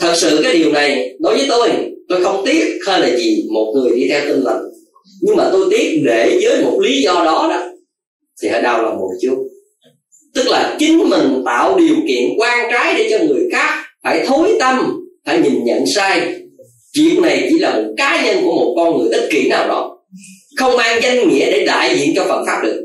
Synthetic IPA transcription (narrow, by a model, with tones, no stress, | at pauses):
t̪ʰə˨˩t̚sɨ̰˧˨kaː˨˦jɗi˨˩əwna˨˩jɗo˨˦jvəː˨˦jt̪o˧jt̪o˧jxə˧wŋ͡mt̪i˦˥ət̚həː˧jlaː˨˩zi˨˩mo˨˩t̚ŋɨ˨˩əjɗi˧t̪ʰɛ˧wt̪i˧ŋlə̰˨˩ŋ | ɲɨ˧ŋmaː˨˩t̪o˧jt̪i˦˥ət̚ɗe˧˩zəː˨˦jmo˨˩t̚li˨˦zɔ˧ɗɔ˨˦ɗɔ˨˦ | t̪ʰi˨˩hə̰ː˧˩jɗa˧˩wlaː˨˩mo˨˩t̚t͡ɕu˦˥t̚ | t̪ɨ˦˥k̚laː˨˩t͡ɕï˨˦ŋmï˨˩ŋ̟t̪a̰ː˧˨wɗi˨˩əwkḭ˧˨ənkwaː˧ŋkaː˨˦jɗe˧˩t͡ɕɔ˧ŋɨ˨˩əjxaː˦˥k̚faː˧˩jt̪ʰo˨˦jt̪ə˧mfaː˧˩jɲi˨˩nɲə̰˧˨nsaː˧j | t͡ɕḭ˧˨ənna˨˩jt͡ɕḭ˧˥laː˨˩mo˨˩t̚kaː˨˦ɲə˧nku˧˩əmo˨˩t̚kɔ˧nŋɨ˨˩əjt̪ʰə˦˥t̚kḭ˧˩naː˨˩wɗɔ̰˨˦ | xə˧wŋ͡mmaː˧ŋza˧jŋŋḭ˧˥əɗe˧˩ɗa̰ː˧˨jzḭ˧˨ənt͡ɕɔ˧fə˨˩nfaː˦˥p̚ɗɨ˨˩ək̚